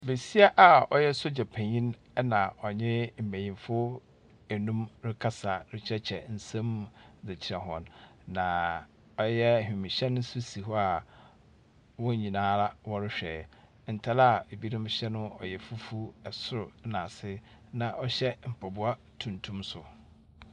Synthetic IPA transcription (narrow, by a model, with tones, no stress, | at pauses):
be˨si˦a˦ʔa˨ɔ̰˨jɛ˦so˦d͡ʑa˨pʰæ̃˨ɲĩ˦n | ɛ˦nã˨ɔ˨ɲɪ̃˦m̩˨mæ̃˨jĩ˨mfʊ˦ | æ˨nũ˦mɾɪ˦kʰa˦sa˨ɾɪ˦t͡ɕʰɾɛ˦t͡ɕʰɛ˨n̩˨sɛ̃˦m˦dɪ˨t͡ɕʰɪ˨ɾɛ˨ɦɔ̰̃˨nːã˨ | ɔ˦jɛ˦˨hᶣĩ˨mĩ˨ɕɛ˦nʊ̃˦sʊ˦si˨ɦɔ˦a˨ | wɔ̃˦˨ɲĩ˨nãː˦la˦wɔ˦ɾɪ˦ɕᶣɛ̰˨ | n̩˨tʰa˦la˨e˨bi˦nʊ̃˦m˦ɕɛ˦nʊ̃˦ɔ̰˨jɛ˨fu˦fu˦ɛ˨sʊ˦ɾʊ˨˦nã˨sɪ˦ | nã˨ʔɔ˦ɕɛ˦m̩˨pʰɔ˨bʊ˦a˦ | tʰũ˨ntʰũ˦msʊ˨